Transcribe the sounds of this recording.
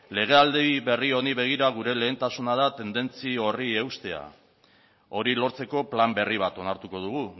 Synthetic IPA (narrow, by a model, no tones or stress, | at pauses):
le̞ɣ̞e̞ald̪eiβe̞rio̞niβe̞ɣ̞iɾaɣ̞uɾe̞le̞ːnt̪asunað̞at̪e̞nd̪e̞nt͡sio̞rie̞wst̪e̞a̰ | o̞ɾilo̞ɾt͡se̞ko̞plambe̞riβ̞at̪o̞naɾt̪uko̞ðuɣ̞u